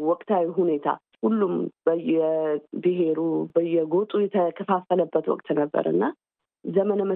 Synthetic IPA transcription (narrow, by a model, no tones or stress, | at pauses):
wɔkʼt̪ʰawiɦune̞t̪ʰa̰ | hulːumb̥əjɛbɨɦe̞ɾubəjːɛɡot̪ʼujɛt̪ʰəkʰəfafːələbːət̪wɔ̰kʼt̪nəbːə̰ɾɨ̰nːa | zəmənəmə